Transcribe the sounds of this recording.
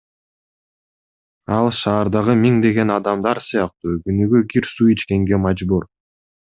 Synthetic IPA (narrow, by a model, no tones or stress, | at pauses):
ɑlˠʃɑːɾd̪ɑʁɯmiŋd̪e̞ɡe̞nɑd̪ɑmd̪ɑɾsɯjɑq̚t̪uːɡynyɡyɡiɾsuit͡ʃke̞ŋɡe̞mɑd͡ʒbuɾ